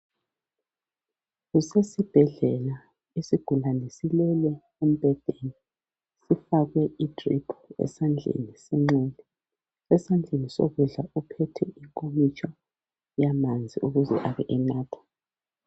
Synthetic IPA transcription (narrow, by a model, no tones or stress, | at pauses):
ɣusesib̥ʱɛɮɛla | esiɡ̥ʱulanesilɛlɛ | um̩b̥ʱɛd̥ʱeni | sifaɣwɛitʰʼripʰuɛ̰sand͡ɮʱḛnisiŋ͡ǀɛnʱɛ | sɛsand͡ɮʱeniso̰ɣuɮaʔupʰɛtʰɛiŋkʼomit͡ʃʰʼɔ | jamand͡zʱiuɣuzɛ̰ʔaβɛʔɛnaːtʰḁ